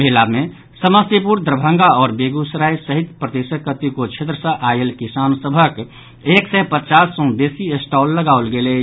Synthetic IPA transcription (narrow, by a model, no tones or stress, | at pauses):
bəɦilamẽ | səməst̪ep̬uɾd̪ɾəbʱə̃ŋɡaɔːɾbeːɡusɾajsəɦit̪pɾəd̪esəkːət̪ikot͡ʃʰet̪ɾəsə̃ʔajelkisaːnsəbʱək | eːksɛpət̪t͡ʃasːɔ̃b̪esiesʈɔːlːəɡaʊlɡele